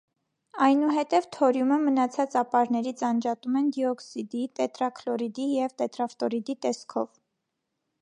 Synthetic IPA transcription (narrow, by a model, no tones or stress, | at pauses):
ɑjnuɦɛt̪ɛvt̪ʰɔɾjuməmənɑt͡sʰɑt͡sɑpɑɾnɛɾit͡sʰɑnd͡ʒɑt̪umɛnd̪iɔksid̪it̪ɛt̪ɾɑkʰlɔɾid̪ijɛvt̪ɛt̪ɾɑft̪ɔɾid̪it̪ɛskʰɔv